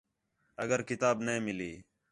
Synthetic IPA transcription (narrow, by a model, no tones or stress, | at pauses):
əɡəɾkɪt̪aːbnẽːmɪliː